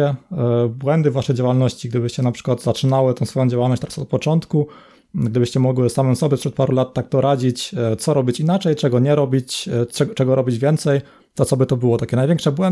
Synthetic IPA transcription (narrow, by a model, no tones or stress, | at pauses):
ɛbwɛnd̪ɘvaʂɛjd͡ʑawalnɔɕt͡ɕiɡ̚d̪ɘbɘɕt͡ɕɛnapʂɘ̥kwad̪zat͡ʂɘnawɘt̪ɛ̃w̃sfɔjɔ̃d͡ʑawalnɔɕt͡ɕt̪ɾasɔt̪̚pɔt͡ʂɔnt̪ku | ɡd̪ɘbɘɕt͡ɕɛmɔɡwɘsamɛmsɔbʲjɛpʂɛt̪̚paɾulat̪ːak̚t̪ɔɾad͡ʑit͡ɕt̪sɔɾɔbʲit͡ɕinat͡ʂɛjt͡ʂɛɡɔɲɛɾɔbʲit͡ɕɛɡɔt͡ʂɛɡɔɾɔbʲid͡ʑvʲjɛnt̪sɛj | t̪ɔt̪sɔbɘt̪ɔbɘwɔt̪akʲɛnajvʲɛŋkʂɛbwɛn